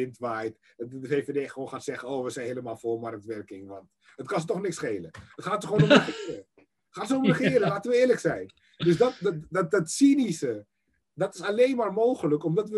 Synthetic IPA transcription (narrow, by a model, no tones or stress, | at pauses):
ɪntʋaːjt | dfeːfedejχəʋownχaːnsɛχənowʋəsɛjnɦeləmaːlˠfolmɑrk̚tʋɛrkɪŋʋɑnt | ətkɑnsətɔχnɪksχejləətχaːtsəəʋonɔməχɪrə | χaːnsəʊməχɪːɾəlaːtənʋəɪːrləksɛjn | dɵsdɑt̚ddɑt̚dɑtsinisə | dɑtɪsalejnmaːɹmowχələkɔmdɑtʋə